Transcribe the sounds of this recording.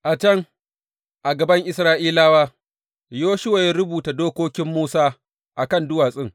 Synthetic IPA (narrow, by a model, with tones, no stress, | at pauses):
ʔa˨t͡ʃɐ˦ŋ | ʔa˨ɡɐ˨bɐ˦ŋʔɪ˦sɾaː˦ʔiː˦laː˦waː˦ | joː˦ʃʊ˦wa˨ji˦ɾʊ˦buː˨ta˨doː˦kʷoː˦kʲɪ˦mːuː˦saː˦ | ʔa˨kɐ˦ndʊ˦waː˨sʼɪ˦ŋ